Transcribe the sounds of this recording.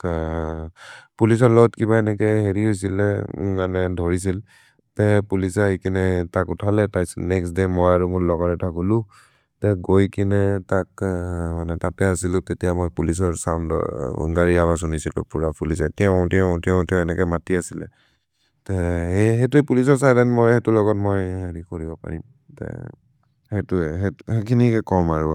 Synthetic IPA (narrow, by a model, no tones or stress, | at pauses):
pulis̬ɔlɔɡɔtkibaɛnɛkɛɦeɹiɦojs̬ilɛmanɛdʱɔɹis̬il | tɛpulisaikinɛtakʊtʰalɛtajnɛksdemɔjaɹumʊɹlɔɡɔɹɛtʰakɦulʊ̃ | tɛɡojkinɛtakmanɛtatɛasilʊ̃tetijamɔjpulis̬ɔɹsamdɔ̰ɔ̰ŋɡaɹiaβas̬unisilʊ̰̃puɹapulis̬ɛetijaɔ̃tiɔ̃tiaʊ̃tɛɛnɛkɔmatiasilɛ̰ | tɛeɦetuepulis̬ɔɹsajdanmɔjhetulɔɣɔtmɔjɦaɹikoɹibɔpa̰ɹḭm | tɛ̰ | hetuɦehekʰinikɛkɔmaɹua